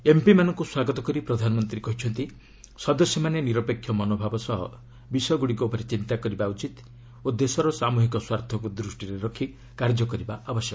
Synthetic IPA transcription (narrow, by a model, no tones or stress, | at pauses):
empimanɔŋkuswaɡɔt̪ɔkɔɾipɾɔd̪ʱanɔmɔnt̪ɾikɔɦit͡ʃʰɔnt̪i | sɔd̪ɔsjɔmaneniɾɔpekʰjɔmɔnobʱabɔsɔɦɔ̰ | bisɔɡuɽikɔupɔɾet͡ʃint̪akɔɾibaut͡ʃit̪ | od̪esɔɾɔsamuɦikɔswaɾt̪ʰɔkud̪ɾusʈiɾeɾɔkʰi | kaɾd͡ʒɔkɔɾibaʔabɔsjɔkɔ